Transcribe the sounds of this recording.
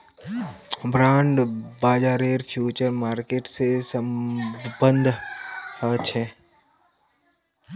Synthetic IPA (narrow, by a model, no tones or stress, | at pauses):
bɾãːɳɖbaːd͡ʒaːɾeːɾpʰjuːt͡ʃəɾmaːɾkeːʈsesəmbənd̪ʱhət͡ʃʰe